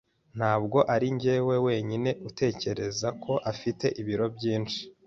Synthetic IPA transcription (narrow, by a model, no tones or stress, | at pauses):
n̥haːbɡo̞ʔaɾiɲɟeːwe̞we̞ːɲine̞ʔute̞ːce̞ɾe̞zakʰo̞ʔafite̞ʔiβiɾo̞bɟiːnt͡ʃi̥